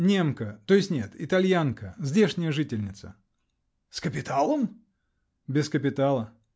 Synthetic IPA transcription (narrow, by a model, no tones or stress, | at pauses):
nʲe̞mkət̪ojɪsʲtʲnʲe̞t̪ɪt̪ɐlʲjankəzʲdʲe̞ʂnʲɪjəʐɨtʲɪlʲnʲɪt̪sə̰ | skəpʲɪt̪alˠəm | bʲɪskəpʲɪt̪alˠə